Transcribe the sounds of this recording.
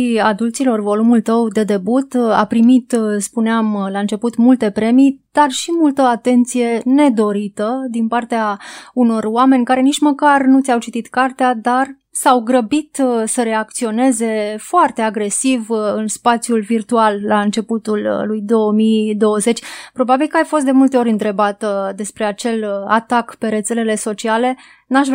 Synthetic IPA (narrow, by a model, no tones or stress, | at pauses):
iad̪ult̪silo̞rvo̞lumult̪əwd̪e̞d̪e̞but̪a̰pɾimit̪spuneamlaɨnt͡ʃe̞put̪mult̪e̞pɾe̞mijd̪̥arʃimult̪əat̪e̞nt̪sije̞ne̞d̪o̞ɾit̪əd̪inpart̪eauno̞rowame̞nʲkaɾe̞nit͡ʃməkarnut̪sʲawt͡ʃit̪it̪kart̪ead̪ar | sawɡɾəbit̪səɾe̞akt̪sio̞ne̞ze̞foart̪e̞aɡɾe̞sivɨnspat̪sijulvirt̪ualːaɨnt͡ʃe̞put̪ullujd̪o̞əmijd̪o̞wəze̞t͡ʃʲpɾo̞babilkəajfo̞st̪d̪e̞mult̪eo̞ɾʲɨnt̪ɾe̞bat̪d̪e̞spɾe̞at͡ʃe̞la̰t̪akpe̞ɾe̞t̪se̞le̞le̞so̞t͡ʃiale̞ | naʃv